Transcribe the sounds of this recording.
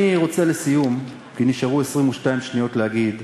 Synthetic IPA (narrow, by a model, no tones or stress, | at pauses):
iʁo̞t͡se̞lesijum | kiniʃaʁue̞sʁimuʃtaimʃnijo̞tlehaɡid